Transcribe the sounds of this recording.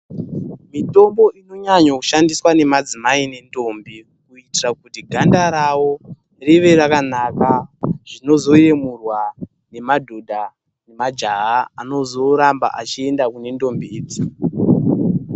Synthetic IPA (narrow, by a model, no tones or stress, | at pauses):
mito̞mbo̞ʔino̞ɲaɲakuʃandiswane̞mad͡zimaine̞ndo̞mbi | kuitirakutiɡʱandaɾawo | riʋe̞rakanakaʐino̞zo̞je̞murwa | ne̞madʱodʱa | ne̞mad͡ʒaɦaano̞zo̞ɾamba̰ʔa̰t͡ʃie̞ndakune̞ndo̞mbiiːd͡zi